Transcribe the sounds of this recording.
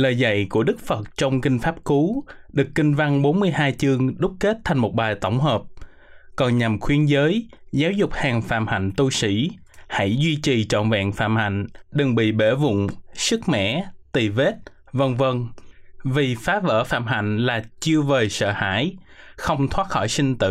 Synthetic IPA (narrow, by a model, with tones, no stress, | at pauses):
ləː˨˩jza̰˧˨jku˧˩əɗɨ˦˥k̚fə˨˩t̚t͡ɕɔ˧wŋ͡mkï˧ŋ̟faː˦˥p̚ku˨˦ɗɨ˨˩əkːï˧ŋ̟va˧ŋɓo˨˦nmɨ˧əjɦaː˧jt͡ɕɨ˧əŋɗʊ˦˥k͡p̚ke˦˥t̚t̪ʰa˨˩jŋ̟mo˨˩t̚ɓaː˨˩jt̪ə˧˩wŋ͡mɦəː˨˩p̚ | kɔ˨˩nɲa˨˩mxwi˨˧˦ənzəː˨˦j | zaː˨˦wzʊ˨˩k͡p̚haː˨˩ŋfa̰ː˧˨mha̰˧˨jŋ̟t̪u˧sḭ˧˥ | ha̰˧˥jzwi˧t͡ɕi˨˩t͡ɕɔ̰˧˨nva̰ː˧˨nfa̰ː˧˨mha̰˧˨jŋ̟ɗɨ˨˩ŋɓḭ˧˨ɓe˧˩vʊ̰˧˨ŋ͡msɨ˦˥k̚mɛ̰˧˥t̪i˨˩ve˦˥t̚ | və˧nvə˧nvi˨˩faː˨˦və̰ː˧˩fa̰ː˧˨mɦa̰˧˨jŋ̟laː˨˩t͡ɕɨ˧əvəː˨˩jsə̰ː˧˨ha̰ː˧˥˨jxə˧wŋ͡mt̪ʰwaː˦˥t̚xɔ˧˩jsï˧ŋ̟t̪ɨ̰˧˨